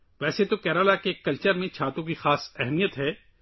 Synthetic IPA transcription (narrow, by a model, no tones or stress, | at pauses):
ʋɛːset̪okɛːɾolakekːɐlt͡ʃəɾmẽt͡ʃʰaːt̪õk̬ixaːsɛɦɛmijət̪ɦɛː